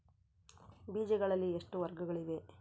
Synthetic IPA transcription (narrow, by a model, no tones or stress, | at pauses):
biːd͡ʒɛɡɐɭɐlːieʂʈuʋɐɾɡɐɡɐɭiʋe̞